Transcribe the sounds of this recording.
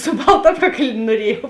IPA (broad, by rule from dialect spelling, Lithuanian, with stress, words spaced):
sʊ ˈbɐlˠtɐ ˈɑːpˌkɐklʲ nuɔˈrʲiɛjɛʊ